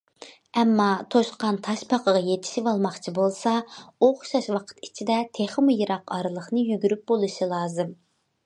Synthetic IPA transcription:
ɛmːɑt̪ʰoʃqɑnt̪ʰɑʃpʰɑqəʁɑjet̪ʰɪ̥ʃivɑlˠmɑχt͡ʃʰibolˠsɑoχʊ̥ʃɑʃwɑqʰə̥t̪i̥t͡ʃʰid̪ɛt̪ʰeχəmujɨɾɑqɑɾɨlˠəχnɨjyɡʲyɾyp̚bolˠɨʃilˠɑːzɨm

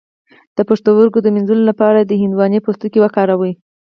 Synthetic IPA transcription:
d̪̥əpəʂt̪owəɾɡod̪əmɪnzulolapɑɾad̪əhɪnd̪wɑnepost̪ukewakɑɾawəj

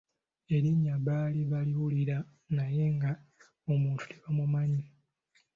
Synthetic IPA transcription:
e̞ɾiɲːaβaːliβaliwuliɾa | naje̞ŋɡa | omuːntu̥teβamumaɲi

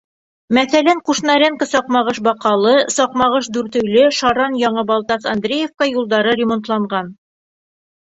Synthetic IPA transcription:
mæθælæŋquʃnɑɾʲeŋkəsɒqmɑʁɤʃbɒqɑlˠɤsɒqmɑʁɤʃd̪ʉɾt̪ɵ̆jlɘʃɑɾɑnjɒɴɤbɑlˠt̪ɑsɑnd̪ɾʲejefkɑjulˠd̪ɑɾɤɾʲɪmont̪lˠɑɴɢɑn

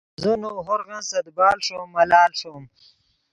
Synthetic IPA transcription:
zunoɦoɾɣãnsɐd̪bɑːlʂomːɐlaːlʂom

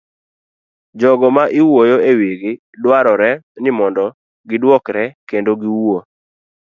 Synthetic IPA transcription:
d͡ʒɔɡɔmaʔɪwojoeweɡe | lwaɾɔɾɛnɪmɔndɔ | ɡɪdwɔkɾɛkendoɡiwo

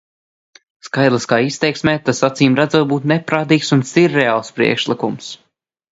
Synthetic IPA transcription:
skajd̪lˠaskaːist̪ɛjksmʲɛːt̪asat̪siːmɾad̪zuɔt̪̚buːt̪nɛpɾaːt̪iːksunst̪iɾːɛaːlˠspɾḭɛkʃlˠikums

